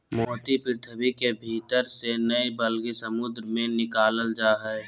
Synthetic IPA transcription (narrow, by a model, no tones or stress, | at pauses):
mɔːt̪ipɪɾɪt̪ʰəbikebʱiːt̪əɾsenəibəlɡesəmʊd̪ɾəmẽnɪkaːləld͡ʒaːɦɛ